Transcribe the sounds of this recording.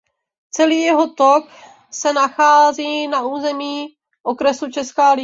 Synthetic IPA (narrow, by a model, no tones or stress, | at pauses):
t͡sɛliːjɛɦo̞t̪ok | sɛnaxaːziːnaʔuːzɛmiː | ʔo̞kɾɛsut͡ʃɛskaːlɪ